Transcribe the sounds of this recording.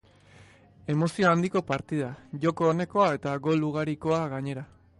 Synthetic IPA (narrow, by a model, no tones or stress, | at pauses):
e̞mo̞sioand̪iko̞paɾt̪ið̞aʝo̞ko̞ːne̞ko̞ae̞t̪aɣo̞luɣ̞aɾiko̞aɣaɲe̞ɾa